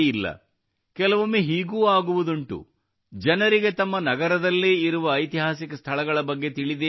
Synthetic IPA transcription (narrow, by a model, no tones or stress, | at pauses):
ilːɐ̰ | kɛlɐʋɐmːeɦiːɡuːaːɡuʋud̪uɳʈṵ | d͡ʒɐnɐɾiɡe̞t̪ɐmːɐnɐɡɐɾɐd̪ɐlːeːiɾuʋɐːjt̪iɦaːsikɐst̪ʰɐɭɐɡɐɭɐbɐɡːe̞t̪iɭid̪e